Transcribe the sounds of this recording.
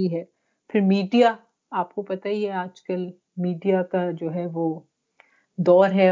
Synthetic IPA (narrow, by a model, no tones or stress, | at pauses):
iɦɛː | fɪɾmiːɖija | aːpkopɐt̪aiɛaːd͡ʒkəl | miːɖijakad͡ʒoːɦɛʋoː | d̪ɔːɾɦɛ